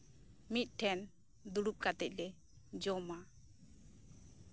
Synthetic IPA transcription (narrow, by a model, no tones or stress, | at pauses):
mit̪̚ˀʈʰɛn | d̪uɽup̚kat̪ɛc̚ˀlɛ | d͡ʒɔma